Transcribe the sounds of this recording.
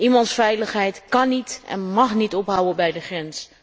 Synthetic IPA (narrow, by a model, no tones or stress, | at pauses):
ʔimɑntsfɛjləχɦɛjtkɑnitɛ̰nmɑχnitɔpɦawənbɛjdəχrɛns